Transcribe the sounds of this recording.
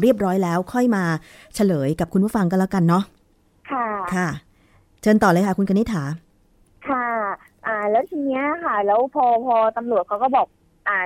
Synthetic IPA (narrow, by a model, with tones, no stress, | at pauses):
ɾi˥˩əp̚ɾɔː˦˥jlɛː˦˥wkʰɔ˥˩jmaː˧ | t͡ɕʰa˧lɤː˩˦jka˨˩p̚kʰu˧ntʰpu˥˩ə˩fa˧ŋkɔ˥˨lɛː˦˥ka˧nːɔ˦˥ | kʰa˥˩kʰa˥˩ | t͡ɕɤː˧nt̪ɔː˨˩lɤː˧jkʰa˥˩ku˧nkʰa˧ni˦˥t̪ʰːaː˩˦ | kʰa˥˩ | ʔaː˨˩lɛː˦˥wt̪ʰiː˧ni˦˥ɐkʰa˥˩lɛː˦˥wpʰɔː˧pʰɔː˧t̪a˧mɾu˨˩ət̪̚kʰa˦˥wkɔː˥˩bɔː˨˩k̚ | ʔaː˨˩